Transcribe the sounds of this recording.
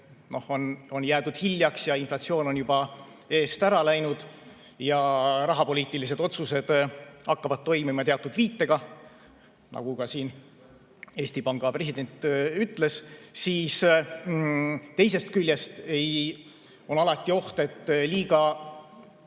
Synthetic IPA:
no̞hono̞njæːd̪ud̪̥hilʲjɑksjɑinflɑt̪sio̞ːno̞njub̥ɑ | e̞ːst̪æɾɑlæjnud̪̥ | jɑɾɑɦɑpo̞lʲiːt̪ːˑilis̬e̞d̪o̞t̪suse̞d̪̥ɑkːɑvɑd̪̥̚t̪ːo̞jmimɑt̪eɑt̪ːud̪viːt̪ːe̞ɡ̥ɑ | nɑ̰ɡ̥ukɑsiːn | e̞ːsʲt̪ipɑŋɡ̥ɑpre̞sʲid̪e̞nt̪ːˑyt̪ːˑle̞ssiːs | t̪e̞js̬e̞st̪kylʲːje̞st̪e̞j | o̞nɑlɑt̪ːˑio̞ht̪e̞t̪ːliːɡɑ

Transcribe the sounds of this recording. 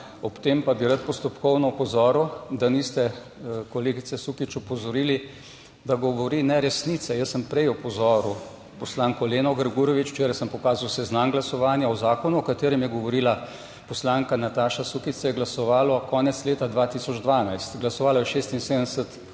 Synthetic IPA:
ɔpt̪eːmpabiɾat̪̚pɔst̪ɔpkɔwnɔɔpɔzɔːɾuwd̪anist̪ɛ | kɔleːɡit̪sɛsukit͡ʃɔpɔzɔɾiːli | d̪aɡɔʋɔɾiːnɛɾɛsnit̪sɛjəsːəmpɾɛjɔpɔzɔɾu | pɔslaːŋkɔleːnɔɡəɾɡuɾɔʋit͡ʃt͡ʃeːɾajsəmpɔkaːzawsɛznaŋɡlasɔʋaːnjaɔzaːkɔnuɔkat̪eːɾɛmjɛɡɔʋɔɾiːla | pɔslaːŋkanat̪aːʃasukisajɛɡlasɔʋaːlɔkɔːnɛt̪sleːt̪ad̪ʋat̪isɔd͡ʒd̪ʋaːnajst̪ɡlasɔʋaːlɔjɛʃeːst̪inseːd̪ənsət̪

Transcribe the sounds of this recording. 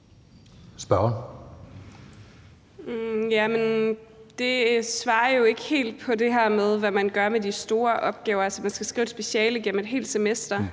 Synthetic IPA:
sb̥ɶɐɐ | jæmend̥e̝sʋɑ̈ːɐjo̝e̝ɡ̥əhe̝̰ːld̥̚pʰɒ̽de̝ɦæɐ̰með̞ˠʋæmænɡ̥ɶɐmedisd̥o̝ːɐʔɒ̽b̥ɡ̥ɛːʊɐælsɒmænsɡ̥æsɡ̥ʁḭːʊsb̥e̝ɕɛ̰ːləiɡ̥en̰m̩ed̥ɦe̝̰ːld̥semesd̥ɐ

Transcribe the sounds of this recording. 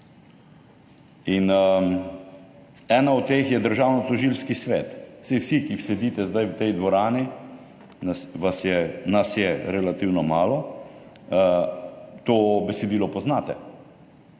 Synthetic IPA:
in | ɛːnaɔt̪̚ːeːxjɛd̪əɾʒaːwnɔt̪ɔʒilskisʋeːt̪sewsikiwsɛd̪iːt̪ɛzd̪ajwt̪ɛjd̪ʋɔɾaːni | nasʋasjɛnasjɛɾɛlat̪iwnɔmaːlɔ | t̪oːbɛsɛd̪iːlɔpɔznaːt̪ɛ

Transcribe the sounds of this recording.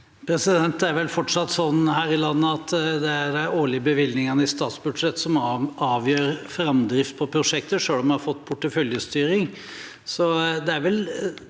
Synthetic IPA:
pʰɾɛsɪd̪ɛnt̪æɾʋɛlfɔʈʂɑt̪ːsɔnːhæːɾɪlɑnːəɑt̪d̪ɛæɖæoːɭɪjəbəʋɪlnɪŋɑnəɪst̪ɑːt̪sbʉd̪ʂɛt̪ːsɔmɑːʋjøːɾfɾɑmd̪ɾɪft̪̚pʰɔpʰɾʊʂɛkt̪əʂøːlɔmhɑɾfɔt̪ːpʰʊʈːəfœljəst̪yːɾɪŋ | sɔd̪ɛæɾʋɛl

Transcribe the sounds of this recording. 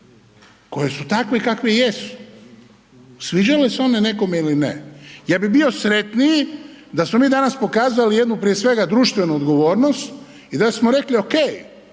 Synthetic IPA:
ko̞jesut̪akʋeikakʋejesu̥ | sʋid͡ʒaleseo̞nene̞ko̞meilinḛjaːbibio̞sɾe̞t̪niji | d̪asmomiːd̪anaspo̞kaːzalijed̪nupɾijesʋe̞ɡad̪ɾuːʃt̪ʋe̞nuod̪ɡo̞ʋo̞ːɾno̞st̪ | id̪asmoɾe̞klio̞kej

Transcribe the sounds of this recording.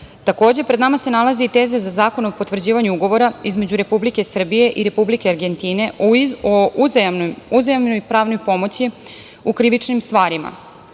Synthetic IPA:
t̪ako̞ːd͡ʑe̞pɾe̞d̪namase̞nalazeit̪e̞ːzezazaːko̞nopot̪ʋr̩d͡ʑiːʋaɲuuɡo̞ʋo̞ɾaizme̞d͡ʑuɾe̞publike̞sr̩bije̞ʔiɾe̞publike̞aɾɡe̞nt̪ine̞o | uzemnojpɾaːʋno̞jpo̞mo̞t͡ɕi | ukɾiʋit͡ʂnimst̪ʋaːɾima̰

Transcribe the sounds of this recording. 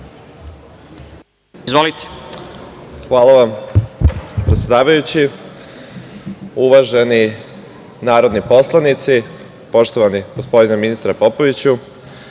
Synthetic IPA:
izvʋolit̪e̥ | xʋaːlˠaʋam | pɾe̞t̪sjed̪aːʋajut͡ɕi | uʋaʒe̞ni | naːɾo̞d̪nipo̞slˠanit̪si | po̞ʃt̪o̞ʋaniɡ̥o̞spo̞d̪inaminist̪ɾapo̞po̞ʋit͡ɕu

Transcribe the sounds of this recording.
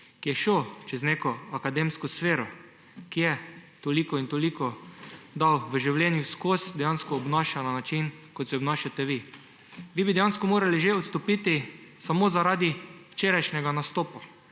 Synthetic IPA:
kijɛʃot͡ʃɛzneːkɔakad̪emskɔsfeːɾɔ | kijɛt̪olikɔint̪ɔlikɔd̪awʋəʒiwlʲjɛnjuskosd̪ɛjanskɔːbnaʃananat͡ʃinkɔt̪sɛɔbnaʃjat̪ɛʋi | ʋibid̪ɛjanskɔmoːɾaliʒeɔt̪st̪ɔpiːt̪isamozaɾaːd̪iwt͡ʃeːɾajʃnɛɡanast̪oːpa

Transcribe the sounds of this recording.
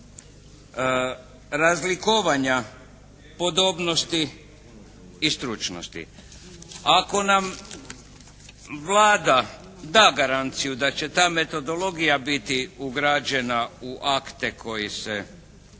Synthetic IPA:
ɾazlikoʋaɲa | po̞d̪o̞bno̞st̪i | st̪ɾut͡ʃno̰st̪ḭ | ako̞nam | ʋlaːd̪a | d̪aːɡaɾant̪sijud̪at͡ɕe̞t̪aːme̞t̪o̞d̪o̞lo̞ɡijabit̪iuɡɾad͡ʑe̞nauʔakt̪ekʰo̞jise

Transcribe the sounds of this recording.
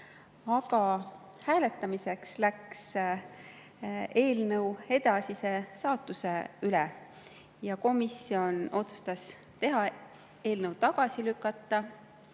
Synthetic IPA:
ɑkɑ | hæːle̞t̪ːˑɑmise̞kslæks | e̞ːlnɤwe̞d̪̥ɑsise̞sɑːt̪ːˑuse̞yle | jɑko̞misio̞no̞t̪su̥st̪ɑs | t̪e̞ɦɑ | e̞ːlnəwt̪ɑɡ̥ɑsilykːˑɑt̪ːˑɑ

